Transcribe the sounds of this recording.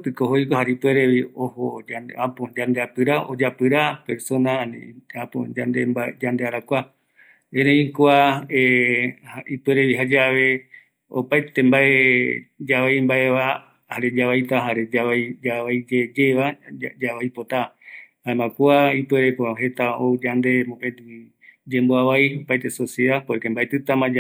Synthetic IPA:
pɨkoɦojkoɦaɾipweɾeβiohoaapod͡ʒand̪eapɨɾaod͡ʒapɨɾape̞ɾso̞nãn̰apo̰d͡ʒand̪embad͡ʒand̪eaɾakʷa | ẽɾeĩkoaehaipweɾeβiɦad͡ʒaβe̞ | o̰pajt̪embaʔed͡ʒaβajmbaeβa | haɾed͡ʒaβajt̪aɦaɾed͡ʒaβajd͡ʒaβajd͡ʒed͡ʒeβad͡ʒaβajpot̪ahaemãkuaipeɾepoɦe̞t̪aoud͡ʒand̪e̞mõpet̪ɨ | d͡ʒemboaβajopajt̪esoseðapoekembaet̪ɨt̪ãmãd͡ʒ

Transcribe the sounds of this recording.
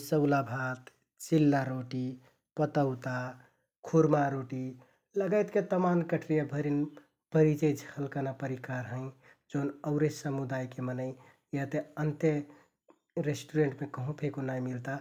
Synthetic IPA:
səʊlabʱat̪ | t͡ʃilːaɾoʈi | pət̪əʊt̪a | kʰuɾmaɾoʈi | ləɡəjt̪ket̪əmankəʈʰɾijabʱəɾin | pəɾit͡ʃəd͡ʒʱhʰəlkənapəɾikaɾɦə̃ɪ̃ | d͡ʒoːnəʊɾesəmud̪ajkemənəɪ̃ | jet̪eənt̪e | ɾesʈuɾeɳʈmekəɦõpʰekonajmilt̪a

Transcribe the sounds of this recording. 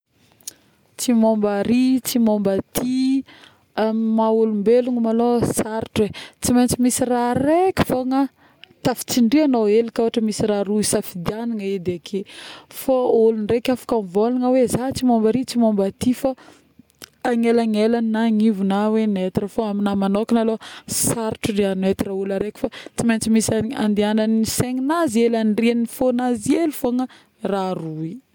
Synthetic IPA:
t͡simombaɾit͡simombat̪ʰi | amaulumbeluŋəmalosaɾʈ͡ʂwet͡simajnt͡simisirarekʲə̥foŋa | t̪afi̥t͡siɳɖ͡ʐianoelikʲoaʈ͡ʂəmisiɾaɾuisafid̪ianiŋaed̪eakʰefaulunrekʲafḁkamvolaŋəwezat͡simombəɾit͡simombat̪ifa | ŋelaŋelannaŋivunawenet̪irafoaminamanokinalosaɾʈ͡ʂurianet̪iraulaɾekʲu̥fat͡simejnt͡simisaa̰nd̪iananiseŋinazelanrinifonazielifoŋə | rarui

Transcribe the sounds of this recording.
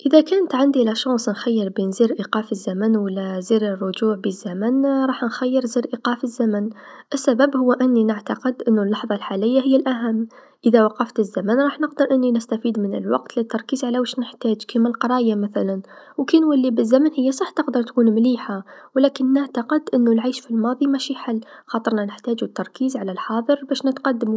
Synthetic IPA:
ʔəðækæːnt̪ʕand̪ilæʃɑnsˤnxajːəɾbinziːɾʔiqɑːfəzːæmənwəlːæziɾərˤːʊd͡ʒuːʕbizːæmænɾˤɑːħnxæjːəɾziːɾʔiqɑːfəzːæmənʔɪsːæbæbhʊwːʔɪnːinɪʕt̪ɑqəd̪ʔɪnːulːɑħðˤɑlħaləjːaɦɪjːælʔæɦæmː | ʔəðawɑqɑft̪əzːamanɾˤɑːħnəqd̪əɾʔɪnːinɪst̪afiːd̪mɪnɪ̰lwɑ̰qt̪lɪt̪ːɑɾˤkiːzʕalawəʃnɪħt̪æːd͡ʒkiːmɪlqɑɾˤɑːjamaθalan | wkiːnwəlːibɪzːamənhɪjːasˤɑħːt̪əqd̪ɑɾˤt̪kuːnmliːħawlæːkɪnːɪʕt̪aqɪd̪ʔɪnːʊlʕaːʃfilmɑːðˤimæʃiħalːxɑːt̪ˤɨɾˤnanɪħt̪æːd͡ʒuɪt̪ːɑɾˤkiːzʕalalħɑːðˤəɾˤbæːʃnɪt̪qɑd̪ːəmu

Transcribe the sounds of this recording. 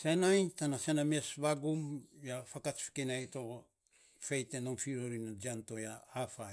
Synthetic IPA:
senajtanasenamiesβaɡumjafakat͡ʃfi̥kinajto | fe̞jtenoŋfiɾoɾinad͡ʒianto̞jaafa

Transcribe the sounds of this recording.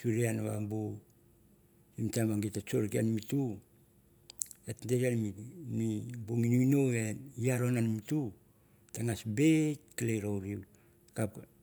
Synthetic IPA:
suɾianaβa̰bu | imtabaŋɡitat͡ʃoɾkianimitu | etndeɾianmimibuŋinuinoeiaɾonanimitu | taŋasbekileɾowɾiw | kap

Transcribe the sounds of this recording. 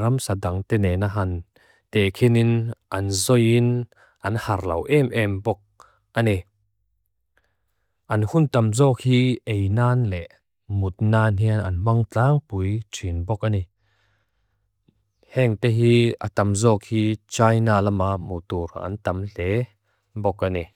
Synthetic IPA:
ɾɐmsadaŋt̪ɛnɛnaɦan | t̪ɛkʰininʔɐnzɔjin | ʔɐnhɐrlɐ̰wʔɛmʔɛmbɔk̚ | ʔanɛ | ʔɐnhunt̪amzɔːk̚hiːʔejnaːnlɛʔ | mut̪̚naːnɦiəna̰nmaŋtaːŋpujtʰinbɔk̚ani | hɛŋt̪eɦiːʔa̰t̪amzɔːk̚hiːt͡ʃaːjnaːlamamut̪uɾha̰ʔa̰nt̪amɬɛ | bɔk̚anɛ

